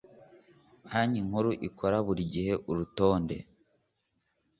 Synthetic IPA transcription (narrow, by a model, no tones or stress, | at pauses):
haɲiŋ̥huɾuʔikʰo̞ɾaβuɾiɟihe̞ʔuɾuto̞ːnde̞̰